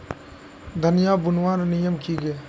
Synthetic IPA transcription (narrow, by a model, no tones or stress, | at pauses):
d̪ʱənɪjaːbʊnwaːɾnijəmkiːɡeː